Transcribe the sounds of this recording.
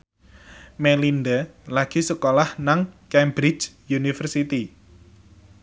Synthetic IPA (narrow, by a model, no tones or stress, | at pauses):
mɛlind̪alaɡ̥i̤səkolahnaŋkɛmbɾid͡ʒ | junifərsit̪i